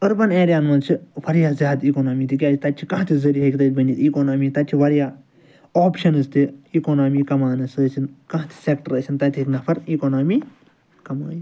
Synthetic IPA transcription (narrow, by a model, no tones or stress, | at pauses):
ɐɾbɐneːɾʲjaːnmɐnt͡ʃʰiʋɐɾjaːzjaːd̪ikoːnoːmiːt̪ʰik̬ʲjaːt͡ʃit̪ɐt͡ʃʰikɐ̃ɦt̪ʰizɐɾiɦɐkʲt̪ɐt̪̚ʲbɐnʲiːt̪ʲiːkoːnoːmiːt̪ɐt͡ʃʰiʋɐɾjaː | oːpʃɐnɨst̪iikoːnaːmiːkɐmaːnɨsəːsinkãɦt̪ʰi̥sek̚ʈəɾəːsʰint̪ɐt̪ʰʲiiknɐpʰɐɾiːkoːnoːmiː | kɐma̰ːni